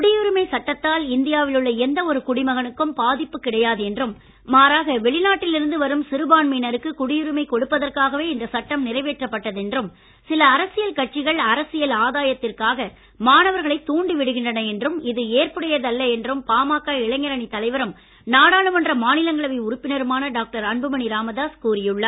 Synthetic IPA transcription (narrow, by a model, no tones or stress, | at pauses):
kʊɽɪjɯɾɯmɐɪsɐʈːɐt̪ːaːlɪnd̪ɪjaːʋɪlɯɭːɐɛnd̪ɐɔɾɯkʊɽɪmɐɣɐnɯkːɯmpaːðɪpːɯkːɪɽɐjaːðɯɛndrɯmː | aːɾaːɣɐʋɛɭɪnaːʈːɪlɪɾɯnd̪ɯʋɐɾɯmsɪɾɯbaːɳmiːnɐɾɯkːɯkʊɽɪjɯɾɯmɐɪkɔɽɯpːɐðɐrkaːɣɐʋeːɪnd̪ɐsɐʈːɐmnɪrɐɪʋeːʈrɐpːɐʈːɐðɛndrɯm | sɪlɐːɾɐsɪjɐlkɐʈ̚t͡ʃːɪɣɐɭɐɾɐsɪjɐlaːðaːjɐt̪ːɪrkaːɣɐ | maːnɐʋɐɾɣɐɭɐɪt̪ːuːɳɖiʋɪɽɯɣɪɳdrɐnɐɛndrɯmɪðɯeːrpɐɽɐjɐðɐlːɐɛndrɯmpaːmaːkːaːɪɭɐŋɡɐɾɐnit̪ːɐlɐɪʋɐɾɯm | naːɽaːɭɯmɐndrɐmaːnɪlɐŋɡɐɭɐʋɐɪʊɾʊpːɪnɐɾɯmaːnɐɖaːk̚ʈɐɾɐɳbɯmɐniɾaːmɐðaːskuːɾɪjɯɭːɐ